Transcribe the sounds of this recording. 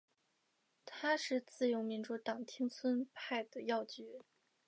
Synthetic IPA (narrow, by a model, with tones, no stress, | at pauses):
t̪ʰa˥ʂɻ̩˥˧t͡sɹ̩˥˩jo˧˥mi˧˥nʈ͡ʂu˥˩t̪ɑ˨˩ŋt̪ʰi˥ŋt͡sʰwə˥npʰa˥˩ɪd̪ə˩jɑ˥˧ʊt͡ɕy˧˥˦